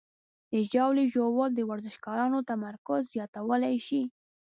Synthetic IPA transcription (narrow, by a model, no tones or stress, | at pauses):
d̪̥əʒawliʒowɑld̪əwaɾzɪʃkɑɾɑnot̪amaɾkʊzːjɑt̪awəlajʃi